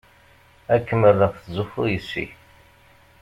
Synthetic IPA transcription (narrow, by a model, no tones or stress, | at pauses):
ækːəmərːəθzufujəsːḭ